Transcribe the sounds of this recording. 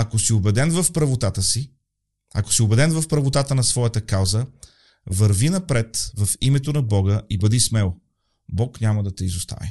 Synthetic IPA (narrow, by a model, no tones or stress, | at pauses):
ɐkosiobɛd̪ɛnvɐfpɾɐvot̪at̪əsi | ɐko̥siobɛd̪ɛnvɐfpɾɐvot̪at̪ənɐsvɔjət̪əkalzə | vɐɾvinɐpɾɛt̪vɐfimɛt̪onɐbɔɡəʔibɐd̪ismɛlˠ | bɔknʲaməd̪ɐt̪ɛizʊst̪a̰vḭ